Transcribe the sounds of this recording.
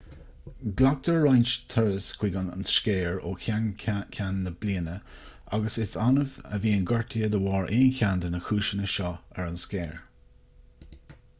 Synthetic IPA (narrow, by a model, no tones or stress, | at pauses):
ɡlak̚t̪əɹːajnt͡ʃt̪ʰɛɹəskʰw̥iːɡana̰nsʃkeːɹo̰ː | kʰʲanːəb̥liːənə | aɡəsɪsɑnəvə̰viːənɡɔɹt̪ʰiəd̪əwɑːɹʔeːnçand̪ənəxʰuːʃənəʃɔɛɹanskeːɹ